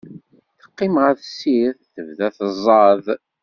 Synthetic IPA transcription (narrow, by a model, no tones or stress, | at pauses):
θə̥qːɪmʁəðsiɾθθəvðæθəzˤɑð